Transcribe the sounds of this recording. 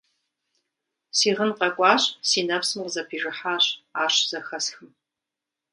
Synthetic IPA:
siːʁənqɐkʷʼɑːɕsiːnɐpsɨmqəzɐpʰiːʒɪħaːɕaːɕz̥ɐxɐsxɨm

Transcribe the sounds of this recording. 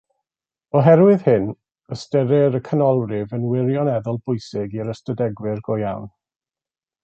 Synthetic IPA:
ɔɦɛɾwɪð̥hɪn | əstɛɾɪɾəkʰənɔlˠrɪvənwɪɾjɔnɛðɔlˠbʊjsɪɡiɾəstədɛɡwɪrɡɔja̰wn

